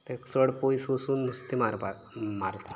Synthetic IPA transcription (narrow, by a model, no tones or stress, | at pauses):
t̪eksəɽpojsosuːnːust̪imaɾpa | maɾt̪a